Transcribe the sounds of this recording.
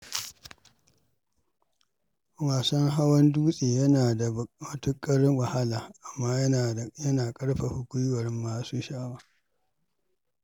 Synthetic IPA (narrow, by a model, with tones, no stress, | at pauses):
waː˨sɔ˦ŋɦa˦wɐ˦nduː˦sʼeː˨jɐ˦naː˨da˨ɐ˨tʊ˦kʼɐ˦ɽɪ˦ŋwɐ˨ha˦laː˨ʔa˨mːaː˦jɐ˦aː˨jɐ˦naː˨kʼɐ˦ɽɸa˨hʊ˦kʷʊ˦jwɐ˨ɾɪ˦mːaː˨suː˦ʃaː˦waː˦